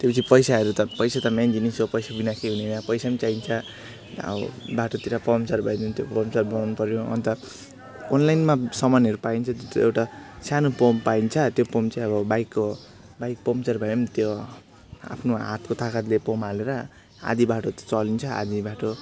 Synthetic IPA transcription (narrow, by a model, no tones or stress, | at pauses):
t̪jepʌt͡sʰipʌjsaɦʌɾut̪ʌpʌjsat̪ʌmjand͡zinisopʌjsabinakʰeɦunenapʌjsamet͡saint͡sʰʌ | ʌ̰baʈot̪iɾapʌmt͡sarbʱʌjnunt̪jopʌbʌmt͡sarbʌnanupʌɾjõʌ̰nt̪ʌ | onlajnmasʌmʌnʌɾupaint͡sʰʌt̪ot̪ewʈasanopompaint͡sʰʌt̪jopomt͡saĩʌbʌbajkːo | bajk̚pomt͡sarbʱʌjent̪jo | a̰pʰnoa̰t̪kot̪ʰakat̪lepomaleɾʌ | a̰d̪ibaʈot̪t͡sʌlint͡sʰʌa̰d̪ibaʈo